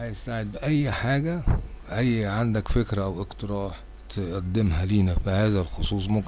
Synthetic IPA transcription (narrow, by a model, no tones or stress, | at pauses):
hæjest̪aːʕed̪̚beʔæjːħaːɡæ | ʔæjːʕand̪ækfekɾæʔæwʔekt̪eɾɑːħ | t̪ʔæqd̪emɦæliːnæfæhæːzælxosˤuːs̬ˤmomk